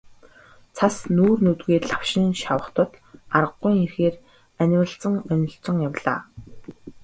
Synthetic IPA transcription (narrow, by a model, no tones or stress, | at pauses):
t͡sʰasnuːrnut̪ɣeːt̪ɮaw̥ʃɪ̆nʃawə̆χt̪ə̆t̪arə̆ɢːʊjŋirxeːr | ænʲwə̆ɮt͡sə̆ŋœnʲɪ̆ɬt͡sɞ̆ŋjawɮa̰ː